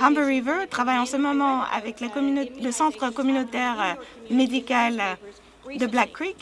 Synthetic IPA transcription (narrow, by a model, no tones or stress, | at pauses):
ʁãmbəʁivət̪χavajɑ̃səmɔmɑ̃a̰vɛklakɔmynoləsɑ̃t̪χəkɔmynot̪ɛʁmed̪ikal | d̪əblakːʁik